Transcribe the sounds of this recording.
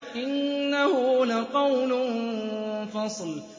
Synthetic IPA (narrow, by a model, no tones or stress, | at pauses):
ʔɪnːahʊlaqɑwln | fɑsˤl